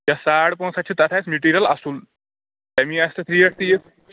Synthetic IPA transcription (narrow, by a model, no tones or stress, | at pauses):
jasaɽpɔ̃sat͡ɕʰiːt̪at̪ʰajt͡smuʈiɾijəlasuːl | t̪jamiːəst̪ət̪ʰɾiːəɽt̪ije